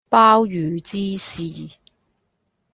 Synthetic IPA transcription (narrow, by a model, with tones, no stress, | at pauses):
paː˥wjyː˨˦t͡siː˥siː˨˩